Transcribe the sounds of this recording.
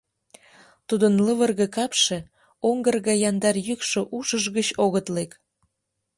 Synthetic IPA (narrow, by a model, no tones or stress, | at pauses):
t̪ud̪ənləβərɣĕkɑpʃe̽ | oŋɡərɣɑjɑnd̪ɑrjykʃŏʔuʃəʒɣət͡ɕoɣət̪lek